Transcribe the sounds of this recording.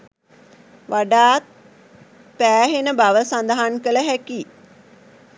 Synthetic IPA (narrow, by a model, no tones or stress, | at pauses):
ʋaɖaːt̪̚ | pæːɦenəbaʋəsand̪əɦankələɦæki